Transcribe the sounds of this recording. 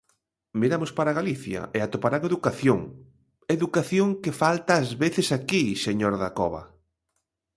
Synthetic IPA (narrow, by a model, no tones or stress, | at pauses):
miɾamoʊspaɾaɣaliθjɐ̰ʔeat̪opaɾaŋeðukaθjoŋ | eðukaθjoŋkefalt̪aːzβeθɪsakiseɲoɾðakɔβɐ̰